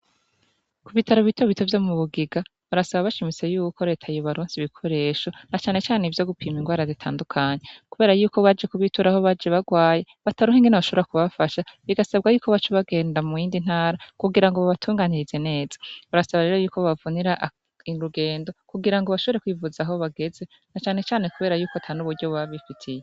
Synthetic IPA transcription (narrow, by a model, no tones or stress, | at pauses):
kuβitʰaɾoβitaɾoβitʰovjo̞muβuɡiɡaβuɾasaβaβaʃimit͡se̞juːko̞ɾe̞ːtʰajoβaɾuːnsiβikʰo̞ɾe̞ːʃo̞nat͡ʃaːne̞t͡ʃaːneivjo̞ɡupʰiːmiŋɡwaːɾazitʰa̰ːndukʰaːɲekuβe̞ːɾajuːko̞βad͡ʒe̞kuβituɾaho̞βad͡ʒeβaɡwaːje̞ | βataɾuɦiŋɡinaβaʃoβɾakuβafaʃaβiɡasabɡajuːkʰo̞βat͡ʃoβaɡe̞ːndamujiːndin̥haːɾakuɡiɾaŋɡoβaβatʰuːŋɡaːɲiɾizene̞ːz̥ḁβaɾasaβaɾe̞ːɾo̞juːkʰoβavuniɾaʔ | iɾuɡe̞ːndo̞kuɡiɾaŋɡoβaʃo̞βeɾe̞kwivuzaɦo̞βaɡe̞ze̞ | nat͡ʃaːne̞t͡ʃaːne̞kuβeːɾajuːkoatʰanuβuɾɟo̞βwaβifitʰije